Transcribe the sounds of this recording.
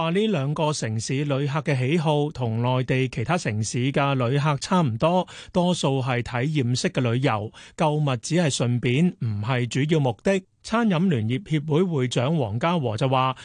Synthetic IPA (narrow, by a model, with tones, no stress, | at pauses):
aː˨liː˥lœː˨˧ŋkɔː˧sɪ˨˩ŋsiː˨˥lɵ˨˧ɥɦaː˧kːɛː˧ɦe˨˥jɦo˧wt̪ʰʊ˨˩ŋlɔː˨jt̪e˨jkʰe˨˩jt̪ʰaː˥sɪ˨˩ŋsiː˨˥kɐ˧lɵ˨˧ɥɦaː˧k̚t͡sʰaː˥m̩˨˩t̪ɔː˥ | t̪ɔː˥so˧wɦɐ˨jt̪ʰɐ˨˥jjiː˨msɪ˥kːɛː˧lɵ˨˧ɥjɐ˨˩wkɐ˧wmɐ˨t̚t͡siː˨˥hɐ˨jsɵ˨npiː˨˥nm̩˨˩ɦɐ˨jt͡ʃyː˨˥jiː˧wmʊ˨k̚t̪ɪ˥k̚ | t͡sʰaː˥njɐ˨˥mlyː˨˩njiː˨p̚hiː˧p̚wuː˨˥jwuː˨˧jt͡sœː˨˥ŋwɔː˨˩ŋkaː˥wɔː˨˩t͡sɐ˨waː˨